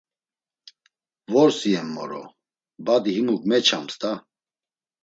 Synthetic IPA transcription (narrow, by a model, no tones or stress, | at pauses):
vɔɾsiɛmːɔ̰ɾɔ̰ | bad̪iɦimukʼmɛt͡ʃʰa̰mst̪ʼa